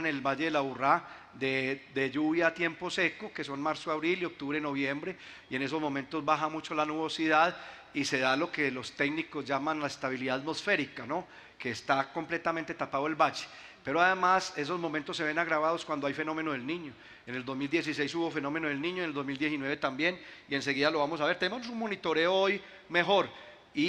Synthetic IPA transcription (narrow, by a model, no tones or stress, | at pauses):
ne̞lbad͡ʒe̞ðelaβura | d̪ed̪ed͡ʒuβjat̪je̞mpo̞se̞ko̞ke̞so̞nmaɾsoaβɾilio̞k̚t̪uβɾeno̞βje̞mbɾe̞ | ie̞ne̞s̬o̞zmõ̞mẽnt̪o̞zbaxamut͡ʃo̞lanuβo̞siðað | ise̞ð̞alo̞ke̞lo̞st̪eɡniko̞zd͡ʒamanlaest̪aβiliðaðat̪mo̞sfe̞ɾikano̞ | keːst̪ako̞mple̞t̪ament̪et̪apaðoe̞lbat͡ʃe̥ | pe̞ɾoaðemase̞s̬o̞zmomẽnt̪osːe̞βe̞naɣɾaβað̞oskwand̪oajfe̞no̞mẽ̞noðelnĩɲo | ene̞ld̪o̞zmild̪je̞s̬is̬e̞jsuβo̞fe̞no̞me̞noð̞elnĩɲoeneld̪ozmild̪jesinwe̞βe̞t̪ambje̞nie̞ns̬e̞ɣiðalo̞βamo̞s̬aβeɾt̪enemonosunmo̞nit̪o̞ɾe̞ooj | me̞xo̞ɾ | i